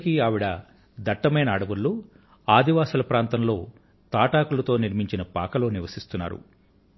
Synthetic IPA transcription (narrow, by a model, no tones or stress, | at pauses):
kiaːʋiɽɐ | d̪ɐʈːɐmɐjnɐːɽɐʋuɾːu | aːd̪ʱiʋaːsɐlɐpɾaːnt̪ɐmlo̞ː | t̪aːʈaːkulɐt̪o̞ːniɾmiɲt͡ʃinɐpaːkɐlo̞ːniʋɐsist̪unːa̰ːɾṵ